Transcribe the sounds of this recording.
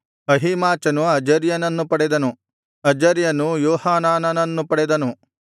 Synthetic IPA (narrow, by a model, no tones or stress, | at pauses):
ɐɦimaːt͡ʃɐnuɐd͡ʒɐɾjɐnɐnːupɐɽɛd̪ɐnu | ɐd͡ʒɐɾjɐnujoːhaːnaːnɐnɐnːupɐɽɛd̪ɐnu